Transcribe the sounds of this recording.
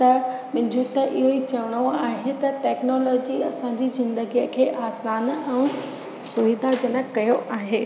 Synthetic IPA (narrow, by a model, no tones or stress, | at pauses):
t̪ɐmɪ̃ɲd͡ʑʱut̪ɐʔɪɦoit͡ɕɐʋəɽ̃oaːɦet̪ɐʈɛːknɔːlɔːd͡ʑiɐsãɲd͡ʑizɪ̃nd̪əɡijəkʰeːʔaːsaːnɛ̃ː | sʊʋid̪ad͡ʑɐnəkɐjoʔaːɦeː